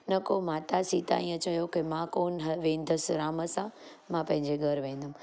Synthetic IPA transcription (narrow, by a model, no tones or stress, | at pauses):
nɐkomaːt̪asiːt̪a̰ĩːə̃t͡ɕɐjokemãkoːnɦʋẽːnd̪ʱəsɾaːməsã | mãpɐ̃ɦɪ̃ɲd͡ʑeɡʱɐɾʋẽːn̆d̪ʱəm